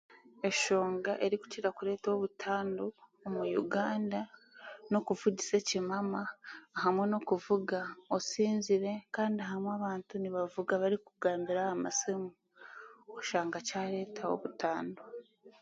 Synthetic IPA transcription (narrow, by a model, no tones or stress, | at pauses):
e̞ʃo̞ːŋɡaʔe̞ɾiku̥ciɾakuɾe̞ːtawoβutʰaːndoːmujṵɡaːnda | no̞kuvuɟise̞cimamaːɦamwe̞no̞kuvuɡaosiːnziɾe̞kaːndiaɦamwaβaːntuniβavuɡaβaɾikuɡaːmbiɾaama̰simu | oʃaːŋɡacaɾe̞ːtʰawo̞̰βutʰaːndo